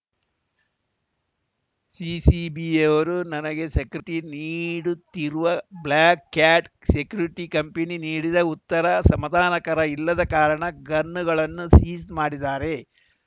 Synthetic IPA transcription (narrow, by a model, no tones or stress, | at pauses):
siːsibieʋɐɾunɐnɐɡe̞sekɾiʈiniːɽut̪ːiɾuʋɐblaːkːaːʈ | sekjuɾiʈikɐmpeniniːɽid̪ɐut̪ːɐɾɐsɐmɐd̪ʱaːnɐkɐɾɐilːɐd̪ɐkaːɾɐɳɐɡɐnːuɡɐɭɐnːusiːsmaːɽid̪aːɾe̞